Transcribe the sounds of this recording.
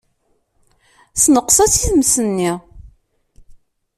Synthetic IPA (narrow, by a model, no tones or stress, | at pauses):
snəqsæsiθmsənːi